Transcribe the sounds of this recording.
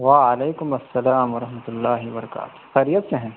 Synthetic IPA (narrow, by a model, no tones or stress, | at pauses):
ʋaːɐleːkʊmɐsːɐlaːmʋɐɾɐɦmɐt̪ʊlːaːɦɪbɐɾɐka̰ːt̪xɐɾijɐt̪seɦɛ̃ː